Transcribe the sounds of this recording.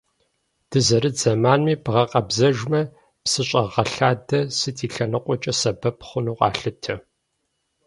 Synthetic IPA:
d̥ɨzɐɾɨd͡zɐmaːnmiːbʁɐqʼɐbzɐʒmɐ | psɨɕʼɐʁɐɬaːdɐsɨtʰiːɬɐnɨqʷʼɔt͡ʃʼɐsɐbɐpʰχʷʊnuːqʼɑ̰ːɬɨtʰɐ

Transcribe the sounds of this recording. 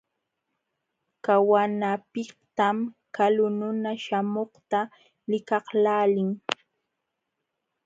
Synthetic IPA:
kawanapɪht̪amkalʊnʊnaʃamoχt̪a | lɪkɑhlaːlɪŋ

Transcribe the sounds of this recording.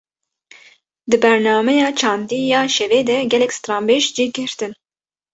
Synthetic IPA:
d̪ɨbɛɾnɑːmɛjɑːt͡ʃʰɑːnd̪iːjɑːʃɛveːd̪ɛɡʲɛlɛkʲst̪ɾɑːmbeʃd͡ʒiːɡɨɾt̪ɨn

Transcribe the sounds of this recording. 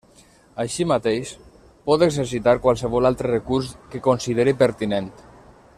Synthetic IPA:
aʃimat̪eʃ | pɔt̪eɡzeɾs̬it̪aɾkwalˠsəβ̞ɔlalˠt̪ɾərəkuɾskekonsiðeɾipəɾt̪inent̪

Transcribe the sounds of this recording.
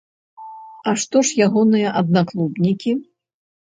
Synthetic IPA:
ɐʂt̪ɔʂjaɣɔnɨjɐʔɐd̪̚naklˠubnʲikʲi

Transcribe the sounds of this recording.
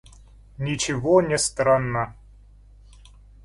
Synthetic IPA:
nʲɪt͡ɕɪvonʲɪst̪ɾanːə

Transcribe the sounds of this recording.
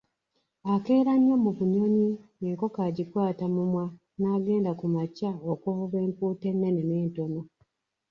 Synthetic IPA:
ake̞ːɾanjomuβuɲoɲineːŋko̞kaɟikwaːtamumwa | naɡe̞ːndakumacaokohoβe̞ːmpuːte̞nːeneneːntono

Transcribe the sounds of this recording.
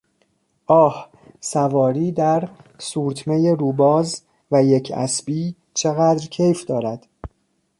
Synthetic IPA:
ʔɒːh | sævɒːɾiːd̪æɾsuːɾt̪ʰmejeɾuːbɒːz | væjecʰæ̰sbiː | t͡ʃʰe̞ɣæːd̪ɾcʰe̞jfd̪ɒːɾæd̪̥

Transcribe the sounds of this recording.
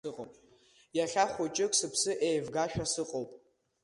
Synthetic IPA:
ɨqʼopʼ | jaɬʲaχʷot͡ʃʼɪkʼsɨpʰsɨʔejvɡaʃᶣasɨqʼowpʼ

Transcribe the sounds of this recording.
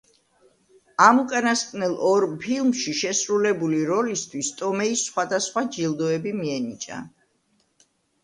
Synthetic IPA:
amukʼanaskʼnɛlˠɔɾpʰilˠmʃiʃɛsɾulɛbuliɾɔlist̪ʰwist̪ʼɔmɛisːχwad̪asχwad͡ʒilˠd̪ɔɛbimiɛnit͡ʃʼa̰

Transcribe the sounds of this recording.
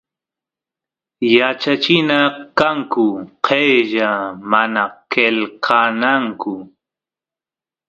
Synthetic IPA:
jat͡ʃat͡ʃɪnakaŋkʊqʰejʒamanakelqʰanaŋkʊ

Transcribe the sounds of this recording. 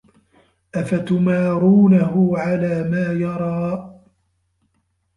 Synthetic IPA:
ʔafat̪ʊmaːɾuːnahʊʕalaːmaːjɑɾˤɑː

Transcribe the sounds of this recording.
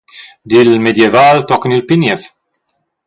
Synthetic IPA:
d̪iːlmɛd̪jɛvɐːlt̪ɔknilpinjɛf

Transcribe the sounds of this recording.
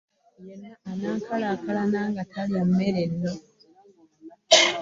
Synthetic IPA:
jenaanaːŋkʰalakalanaːŋɡatʰaliammeɾenːo

